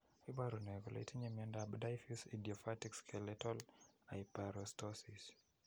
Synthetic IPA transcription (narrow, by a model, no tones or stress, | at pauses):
ibaɾunɛɡɔlḛitiɲemiɛndabdajfusa̰diɔfatikskʰɛlɛtɔlajpaɾɔstɔsis